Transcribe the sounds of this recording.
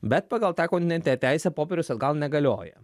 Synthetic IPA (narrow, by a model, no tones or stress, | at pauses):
bʲɛt̪̚pɑɡɐlˠt̪ɑːkɔ̃nt̪ʲnʲɛnt̪ʲnʲɛt̪ʲæɪsʲɛpoːpʲeɾʲʊsɐd̪ɡɐlˠnʲɛɡɐlʲoːjɛ̰